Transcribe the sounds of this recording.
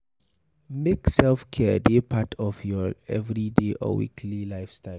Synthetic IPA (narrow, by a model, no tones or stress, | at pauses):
meksɛlfkʰɛdepʰatʰɔfjɔɛvɹideʔɔ̰wḭkʰlilaɪfstaɪ